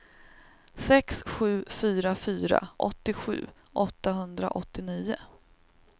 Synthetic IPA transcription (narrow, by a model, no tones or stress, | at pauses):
sɛksɧʉ̟ːfyːɾafyːɾa̰ʔɔ̰t̪ːɪɧʉ̟̰ː | ʔɔt̪ːaɦɵnd̪ɾa̰ʔɔt̪ːɪniːʊ